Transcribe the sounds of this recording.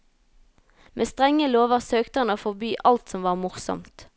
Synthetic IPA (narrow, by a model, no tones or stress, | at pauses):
mʔeːst̪ʁɛŋəloːʋəʁsøːkt̪əɑnoːfɔbyːʔɑlt̪sɔmʋɑːʁmʊʁsɔ̰mt̪